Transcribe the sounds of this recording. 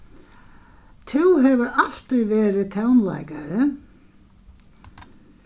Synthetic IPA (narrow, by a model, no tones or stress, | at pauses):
t̪ʰuwɦɛvʏɾal̥t̪ʏjvɛːɾɪt̪ʰawnla̰jkaɾɪ